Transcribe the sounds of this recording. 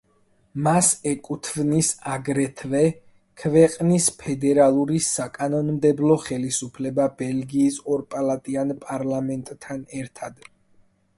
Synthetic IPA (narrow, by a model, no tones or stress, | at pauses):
masɛkʼut̪ʰvnisaɡɾɛt̪ʰvɛ | kʰvɛqʼnispʰɛd̪ɛɾalˠuɾisakʼanɔnmd̪ɛblˠɔχɛlisupʰlɛbabɛlɡiːsɔɾpʼalˠat̪ʼianpʼaɾlamɛnt̪ʼʰːanɛɾt̪ʰad̪